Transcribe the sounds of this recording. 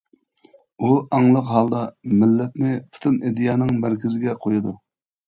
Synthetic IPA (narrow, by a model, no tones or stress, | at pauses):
uɑŋlˠəqɦɑlˠd̪ɑmɪlːɛt̪nɪpʰu̥t̪ʰɨned̪ijɑːnɨŋmæɾkʲʰizɪɡʲɛqʰojɨd̪u